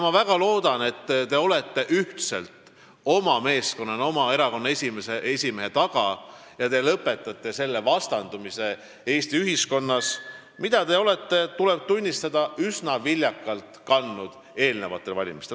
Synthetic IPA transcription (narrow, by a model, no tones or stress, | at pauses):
mɑvæɡ̥ɑlo̞ːd̪̥ɑne̞t̪ːt̪e̞o̞le̞t̪ːe̞ʔyht̪se̞lt̪ | o̞mɑme̞ːsko̞nːɑno̞mɑe̞ɾɑko̞nːɑesʲimesee̞sʲime̞ɦe̞t̪ɑɡ̥ɑ | jɑt̪e̞lɤpːˑe̞t̪ːˑɑt̪ˑːe̞se̞lːe̞vɑst̪ɑnd̪̥umise̞ | e̞ːst̪iyɦisko̞nːɑs | mid̪̥ɑt̪e̞o̞le̞t̪ːe̞t̪ulɛ̞b̥̚t̪unʲːist̪ɑd̪̥ɑysnɑvilʲjɑkːˑɑlt̪kɑnːud̪̥ | e̞ːlne̞vɑt̪ːˑe̞lvɑlʲimist̪e